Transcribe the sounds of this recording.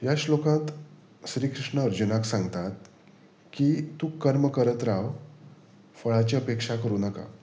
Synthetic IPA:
jaɕlokãt̪ | ɕɾiːkʰɾiʂɳəːɾd͡ʑunaksãŋɡt̪at̪̚ | kit̪uːkəɾməkəɾət̪ɾaʋ | fəɭat͡ɕiːəpekʂakəɾuːnəka̰

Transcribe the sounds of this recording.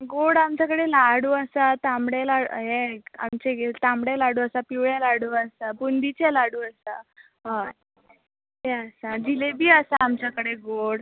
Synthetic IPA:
ɡoɽamt͡ɕjakəɽelaɽuːəsat̪ãmɽelaṵɦea̰mt͡ɕeɡet̪ãmɽalaɽuːəsapiʋɭjalaɽuːəsabund̪it͡selaɽuːəsa | ɦã | ɦeəsad͡ʑilebʱiːəsaːmt͡ɕjakəɽeɡoɽ

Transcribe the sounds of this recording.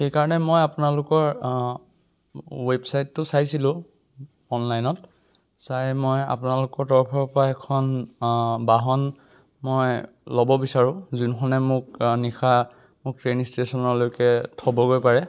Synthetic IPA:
xejkaɹɔnɛmojapʊnalʊkɔɹ | websajtːʊsajsilʊ̃ | ɔnlajnɔt̚ | sajmɔja̰pʊnalʊkɔɹtɔɹpʰɔɹpʰɔɹaɛkʰɔn | baɦɔn | mɔj | lɔbɔbisaɹʊ̃zunxʰɔnɛmʊk̚nixʰa | mʊk̚tɹenistesɔnɔɹlojkɛtʰɔbɔɡojpaɹɛ

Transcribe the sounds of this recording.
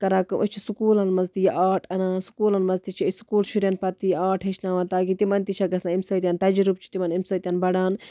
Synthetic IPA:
kɐɾaːkɐʔot͡ʃʰisukuːlɐnmɐzt̪ijʔaːʈʰɐnaːsu̥kuːlɐnmɐzt̪it͡ʃʰiiskuːlʃuɾʲjɐnpɐt̪ijaːʈʰɦet͡ʃʰnaːʋɐnt̪aːɡit̪imɐnt̪it͡ʃʰaɡɐsnaimsɐːt̪iɐnt̪ɐd͡ʒɾubt͡ʃʰi̥t̪imɐnimsɐːt̪iɐnbɐɽaːn

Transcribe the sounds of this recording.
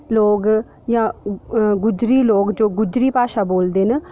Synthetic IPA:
loːɡ | jãː | ɡʊd͡ʒɾiːloːkd͡ʒoːɡʊd͡ʒɾiːpaːʃaːboːld̪eːnə

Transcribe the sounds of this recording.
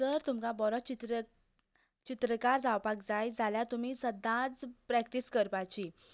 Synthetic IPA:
t̪əɾt̪umkabɔɾɔt͡ɕit̪ɾ | t͡ɕit̪ɾəkaɾd͡zawpakd͡zajd͡zʱaljat̪um̤iːsəd̪ʱːãt͡spɾæk̚ʈiskəɾpat͡ɕi

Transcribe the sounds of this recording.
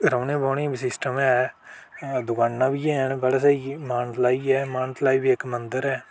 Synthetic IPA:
ɾəːnẽːboːniːbisɪsʈəmɛː | d̪ʊkãːnːãːbiːɛːnbəɽaːs̬eimaːnt̪laːiːɛːmaːnt̪laːiːbiːɪkmənd̪əɾɛː

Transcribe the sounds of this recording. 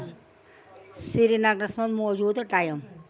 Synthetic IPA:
siɾinaɡnɐsmɐt̪moːd͡ʒuːd̪ʈaːjɐm

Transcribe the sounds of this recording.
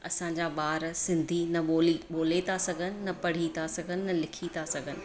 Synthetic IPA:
ɐsãɲd͡ʑaːɓaːɾsɪ̃nd̪ʱinɐoːliɓoːlet̪asɐɡʱənɪ̆nɐpɐɽ̤it̪asɐɡʱənɪ̆nɐlɪkʰit̪ʰasɐɡʱənɪ̆

